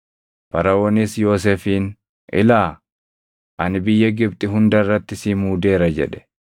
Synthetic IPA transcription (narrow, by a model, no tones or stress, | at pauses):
pɐɾɐwɔnisjo̞ːs̬eːfiːn | ʔɪ̰laː | ʔɐnɪbɪjːɐɡɪb̚t̪ʼɪɦʊnd̪ɐrːɐt̪ːɪsiːmuːd̪e̞ːɾɐd͡ʒɛ̰ᶑɛ̥